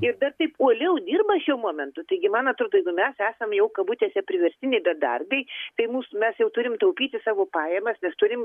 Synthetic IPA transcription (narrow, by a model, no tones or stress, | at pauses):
ɪrd̪ɐrt̪ɐɪpuɔlʲɛʊd̪ʲiːrbɐʃʲuɔmoːmʲɛnt̪ʊt̪ɐɪɡʲɪmɑːnɐt̪ɾoːd̪ojɛɪɡʊmʲɛsæːsɐmjɛʊkɐbuːt̪ʲɛːsʲɛɐpʲɾʲɪʋʲɛɾʲsʲtʲɪnʲɛɪbʲɛd̪ɐ̰rbʲɛɪt̪ɐɪmuːsʊmʲɛsjɛʊt̪ʊɾʲɪmt̪ɐʊpʲiːt̪ʲɪsɑːʋoːpɑːjɛmɐsnʲɛst̪ʊɾʲɪm